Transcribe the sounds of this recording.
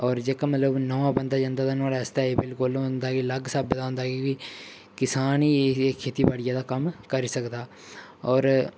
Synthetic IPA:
ɔːɾd͡ʒekamət̪ləbnəʋãːbənd̪aːd͡ʒãːnd̪aːt̪anaːɽɛːst̪aːeːbɪlkolʊnd̪aːɡiːləɡsəbd̪aːɦʊnd̪aːɡikiː | kɪsaːniːekʰːeːt̪iːpaːɽɪjãːd̪aːkəmkəɾiːsəkd̪aː | ɔːɾ

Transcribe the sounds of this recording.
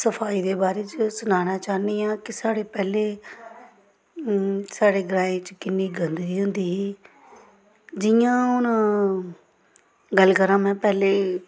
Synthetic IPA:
səpʰaːiːd̪eːbaːɾeːt͡ʃsʊnaːnaːt͡ʃaːniːjãːkɪsaːɽeːpɛːleː | saːɽeːɡəɾaːẽːt͡ʃkɪnːiːɡənd̪iːɦʊnd̪iːɦː | d͡ʒɪjãːʊnãː | ɡəlkəɾãːmɛ̃ːpɛːleː

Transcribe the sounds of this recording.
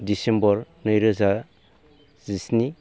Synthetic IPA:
disembɔɾ | nɯjɾɯza | zisni

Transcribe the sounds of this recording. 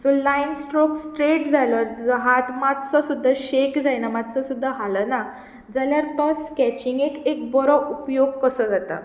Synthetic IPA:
solainsʈɾoksʈɾeʈd͡zʱalɔd͡zɔɦat̪mat̪t͡səsud̪ʱːaɕekd͡zajnamad̪t͡səsud̪ʱːaɦaləna | d͡zaljaɾt̪ɔskæt͡ɕiŋɡekek̚bɔɾɔupjoɡ̚kəsəd͡zat̪a̰

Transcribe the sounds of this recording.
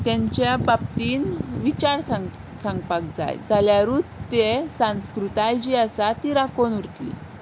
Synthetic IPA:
t̪jãɲt͡ɕjabap̚t̪iːnʋit͡ɕaɾsaŋ | saŋɡpak̚d͡za̰jd͡zaljaɾut͡st̪esãnskɾut̪ajd͡ʑiasat̪iɾakonuɾt̪lḭ

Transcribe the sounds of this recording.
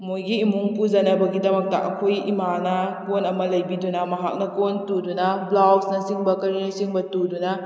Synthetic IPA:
mojɡiːmuŋpuzɐnɐbɐɡidɐmɐk̚tɐ̰ʔɐ̰kʰojḭmanɐkonɐmɐlɐjbidunɐmɐɦa̰k̚nɐkontudunɐblaksnɐsiŋbɐkɐɾinɐsiŋbɐtudunɐ

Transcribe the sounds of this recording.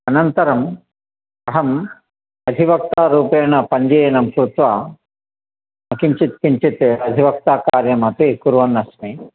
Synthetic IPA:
ɐnɐnt̪ɐɾɐm | ɐɦɐm | ɐd̪ʱiʋɐk̚t̪aːɾuːpɛːnɐpɐɲd͡ʒeːjnɐmkɾut̪ʋaː | mɐkiɲt͡ʃit̪kiɲt͡ʃit̪eɐd̪ʱiʋɐk̚t̪aːkaːɾjɐmɐp̪ikuɾʋɐnːɐsmi

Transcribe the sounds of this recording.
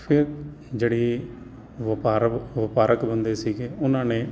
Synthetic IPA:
pʰɪɾ | d͡ʒeːɽiː | ʋəpaːɾʋəpaːɾəkbənd̪eːsiːɡeːʊnãːnẽː

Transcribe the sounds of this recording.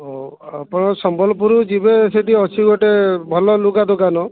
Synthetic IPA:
oapɔɽ̃ɔsɔmbɔlɔpuɾud͡ʒibeseʈiɔt͡ʃʰiɡɔʈebʱɔlɔlukad̪ukanɔ

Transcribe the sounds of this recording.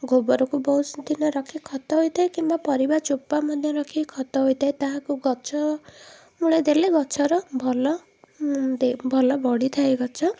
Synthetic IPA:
ɡobɔɾɔkubɔɦusd̪inɔɾɔkʰikʰɔt̪ɔɦojt̪ʰajkimbapɔɾibat͡ʃupːamɔnjɔɾɔkʰikʰɔt̪ɔɦojt̪ʰaet̪aɦãkuɡɔt͡ʃʰɔ | muɭed̪eleɡɔt͡ʃʰɔɾɔbʱɔlɔ | d̪ebʱɔlɔbɔɽit̪ʰajɡɔt͡ʃʰɔ

